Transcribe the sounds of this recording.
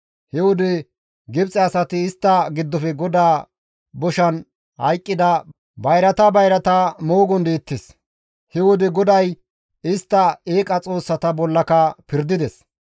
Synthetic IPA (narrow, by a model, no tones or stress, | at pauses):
hɛwʊd̪ɪ | ɡɪbt͡sʼɛɐsɐt̪ɪːst̪ːɐɡɪd̪ːɔfɛɡɔd̪aː | bɔʃɐn | hɐjkʼːɪd̪ɐ | bɐjɾɐt̪ɐbɐjɾɐt̪ɐmoːɡɔnd̪eːt̪ːes | hɛwʊd̪ɪɡɔd̪ɐj | ɪst̪ːɐeːkʼɐt͡sʼo̞ːsːɐt̪ɐbɔlːɐkɐpɪɾd̪ɪd̪ɛs